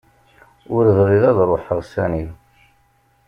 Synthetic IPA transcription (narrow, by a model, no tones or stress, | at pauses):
ʊɾðʁiðɑðrˤoħəʁsæni